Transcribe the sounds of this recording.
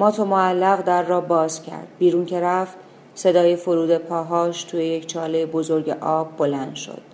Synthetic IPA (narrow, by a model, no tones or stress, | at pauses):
mɒːt̪ʰomoælːæɣd̪æɾːɒːbɒːzcʲʰæ̰ɾd̪̥̚biːɾuːncʰe̞ɾæft̪ | se̞d̪ɒːjefoɾuːd̪e̞pʰɒːɦɒːʃt̪ʰuːjejecʰt͡ʃʰɒːlejebozo̞ɾɟe̞ʔɒːbːo̞lænd̪ʃo̞̰d̪̥